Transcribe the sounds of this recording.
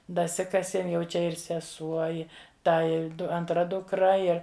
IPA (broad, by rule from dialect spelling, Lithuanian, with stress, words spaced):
dɐˈsʲɪkɐsʲiɛm jɛʊ ˈt͡ʃʲɛ ɪr sʲɛˈsuɔ ˈɪ ˈtɐ ɪr ˈdʊ ɐntˈrɐ dʊkˈrɐ ˈɪr